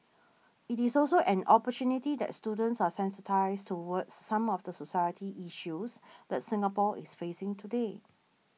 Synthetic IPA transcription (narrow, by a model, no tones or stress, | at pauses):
itisɔlsoʔɛ̃nɔpətjunitidɛ̰tstudə̃ntsasɛ̃nsətʰaɪstʰuwədsːãmɔfdəsosajətiʔiʃusdɛtsɪ̃ŋəpɔʔḭsfesɪ̃ŋtʰude